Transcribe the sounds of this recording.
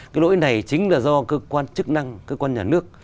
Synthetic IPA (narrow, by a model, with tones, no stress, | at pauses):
kaː˨˦jlo̰˧˥˦jna˨˩jt͡ɕï˨˦ŋ̟laː˨˩zɔ˧kə˧˦kwaː˧nt͡ɕɨ˦˥k̚na˧ŋkəː˧kwaː˧nɲaː˨˩nɨ˦˥ək̚